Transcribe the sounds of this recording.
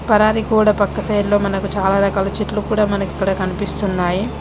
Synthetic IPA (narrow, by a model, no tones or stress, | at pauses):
pɐɾaːɾikuːɽɐpɐkːɐt̪ɐjlːo̞ːmɐnɐkut͡ʃaːlaːɾɐkɐlɐt͡ʃiʈlukuːɽaːmɐnɐki̥kːɐɽɐkɐnipist̪unːaːji